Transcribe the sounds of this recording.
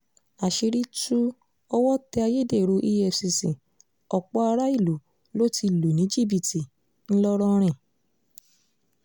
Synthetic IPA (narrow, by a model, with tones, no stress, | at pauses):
a˨ʃi˧ɾi˦tu˦ | ɔ˧wɔ˦tɛ˧a˧je˦de˦˨ɾu˧˦ʔi˦jɛ˦˨fsi˧sĩ˨ | ɔ˨k͡pɔ˨˦a˧ɾa˦i˦˨lu˨˦ | lo˦ti˧˨lu˨nĩ˨˦d͡ʒi˦˨bi˨ti˨ | n̩˦lɔ˦ɾɔ˧ɾ̃ɛ̃˦˨